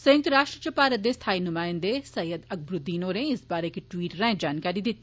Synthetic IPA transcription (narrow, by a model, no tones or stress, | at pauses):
sɐjɪ̃ŋt̪ɾaːʃʈɾət͡ʃɐpaːɾət̪̚d̪est̪ʰaːinʊmaːɪ̃nd̪esɐjəd̪ɐk̚bɾʊd̪ːiːnoːɾẽɪsbaːɾekiʈʋiːʈɾɛ̃d͡ʒaːnkaːɾid̪ɪt̪